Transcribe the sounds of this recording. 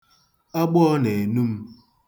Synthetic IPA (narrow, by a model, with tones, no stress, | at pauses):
a˦ɡ͡bɔ˦ne˨nu˦m̩˦